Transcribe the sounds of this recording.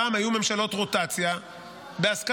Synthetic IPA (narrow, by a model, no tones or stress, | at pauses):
amajume̞mʃalo̞t̪ʁo̞t̪at͡sja | beask